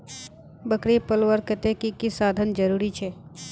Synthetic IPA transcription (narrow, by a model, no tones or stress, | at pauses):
bəkɾipəlʋəɾkːət̪ekikisaːd̪ʱənd͡ʒəɾuːɾit͡ʃʰɛː